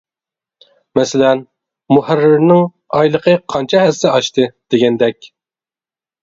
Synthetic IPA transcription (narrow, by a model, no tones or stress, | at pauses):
mɛsɪlɛn | muhærːɪɾnɪŋ | ɑjlˠəqʰəqʰɑnt͡ʃʰɛhæzɪɑʃt̪ʰɨd̪̥eɡʲɛnd̪ɛkʲ